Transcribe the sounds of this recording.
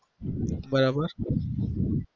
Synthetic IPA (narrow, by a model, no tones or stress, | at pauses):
bəɾabəɾ